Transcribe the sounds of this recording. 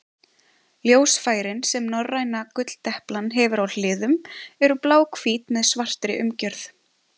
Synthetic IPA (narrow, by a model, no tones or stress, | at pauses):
ljoːwsfaːjɾɪnsɛmnɔrːajnakʏt̪l̥t̪ɛhplanɦɛvʏɾawl̥ɪːðʏmɛɾʏplaːwkfiːt̪mɛðsvar̥t̪ɾɪʔʏmcœɾθ